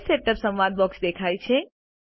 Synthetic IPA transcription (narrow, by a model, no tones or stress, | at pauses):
seʈəpsəmʋad̪̚bɔksd̪ekʰajt͡ʃʰe